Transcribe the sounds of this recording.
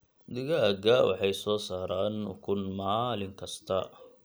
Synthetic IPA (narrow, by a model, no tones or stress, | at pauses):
d̪ɪɣɐɡɐwʔɑ̰ħɑjsɔːsaːɾaːnʊ̰kʰʊnmaːlɪŋkʰɐst̪ʰɐ